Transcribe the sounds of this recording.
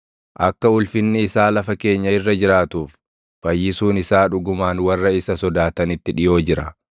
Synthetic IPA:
ʔɐkːɐʊlfɪnːɪɪsaːlɐfɐke̞ːɲːɐɪrːɐd͡ʒɪɾaːt̪uːf | b̥ɐjːɪsuːnɪsaːᶑʊɡʊmaːnwɐrːɐɪsɐsɔd̪aːt̪ɐnɪt̪ːɪᶑɪjo̞ːd͡ʒɪɾɐ

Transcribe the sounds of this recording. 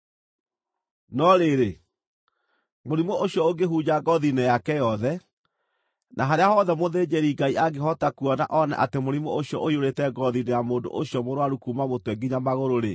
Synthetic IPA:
nɔɾeɾe | moɾimooɕjɔoɡeɦud͡ʑaɡɔðinejakɛjɔðɛ | nʔaɦaɾeahɔðɛmoðeːd͡ʑeɾiɡaiʔaɡehɔtakuɔna̰ʔɔna̰ʔatemoɾimooɕjɔʔoioɾetɛɡɔðinejamoːndo̰ʔoɕjɔmoɾwaɾukumamotwɛɡiɲamaɣoɾoɾe

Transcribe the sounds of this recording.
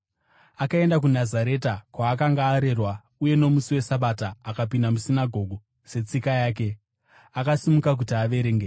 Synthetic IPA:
akae̞ndak̬unazaɾe̞takwaːk̬aŋɡaːɾe̞rwa | uje̞no̞musiwe̞saɓataːkapindamusinaɡʱo̞ɡʱo | se̞t͡sikajaːk̬e̞ | akasimukak̬utiaʋe̞ɾeːŋɡe

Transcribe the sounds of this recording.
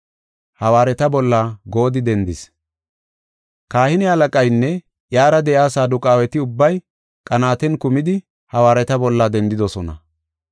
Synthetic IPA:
hɐwaːɾɛt̪ɐbɔlːaɡo̞ːd̪ɪd̪ɛnd̪ɪs | kaːhɪnɪɐlɐkʼɐjnːɛ | ʔjaːɾɐd̪ɛʔjaːsaːd̪ʊkʼaːwɛt̪ɪʊbːɐj | kʼɐnaːt̪ɛnkʊmɪd̪ɪ | hɐwaːɾɛt̪ɐbɔlːad̪ɛnd̪ɪd̪ɔsɔnɐ̰

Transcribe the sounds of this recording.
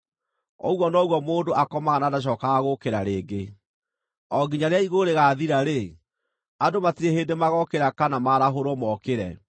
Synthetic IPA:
ɔ̰ɣwɔnɔːɣwɔmoːndoʔakɔmaɣanaːdaɕ̬ɔːkaɣokeɾaɾeːɡe | ɔɡiɲaɾeaiɣoɾeɣaːðiɾaɾe | adomatiɾeheːndemaɣɔkeɾakanamaɾaɦoɾɔmɔkeɾɛ

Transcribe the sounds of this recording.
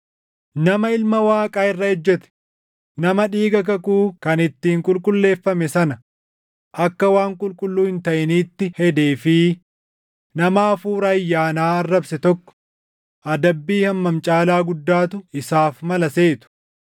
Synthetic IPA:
nɐmɐɪlmɐwaːkʼaːɪrːɐhɛd͡ʒːɛt̪ɛ̥ | nɐmɐᶑiːɡɐk̬ɐkuːkɐnɪt̪ːiːŋkʼʊlkʼʊlːe̞ːfːɐmɛsɐnɐ | ʔɐkːɐwaːŋkʼʊlkʼʊlːuːhɪnt̪ɐʔɪniːt̪ːɪhɛd̪e̞ːfɪ | nɐmaːfuːɾɐjːaːnaːɐrːɐbsɛt̪ɔkːɔ̥ | ʔɐd̪ɐbːiːhɐmːɐmt͡ʃʼaːlaːɡʊd̪ːaːt̪ʊɪsaːfmɐlɐseːt̪ʊ̥

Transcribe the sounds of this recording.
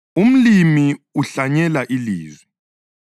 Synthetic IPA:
um̩limiuɬaɲɛlaʔiliːzwɛ

